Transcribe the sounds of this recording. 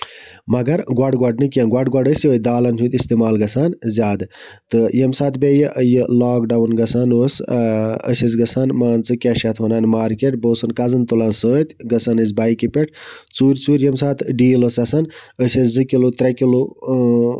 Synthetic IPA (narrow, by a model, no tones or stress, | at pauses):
mɐɡɐɾɡwaɖɡwaɖnɨkijɐnɡwɐɖɡwaɖəsoːd̪aːlɐntʰut̪ist̪imaːlɡɐsaːnzʲaːd̪ɨ | t̪ɨjemsaːt̪ʰbʲejɨʔəjɨlaːkɖawnɡɐsʰaːnoːs | ə̰sʲɐs̬ɡɐsʰaːnmaːnt͡sɨkʲaʃjat̪ʰʋɐnaːnmaːɾkeʈ̚boːsɨnkɐzɐnt̪ulaːnsəːt̪ʲɡɐsʰanəs̬baːjkipʲeʈʰt͡suːɾʲt͡suːɾʲjɐmsaːt̪ʰɖiːlosɐsɐnəsɐt͡szɨkʲilut̪ɾɐkʲilu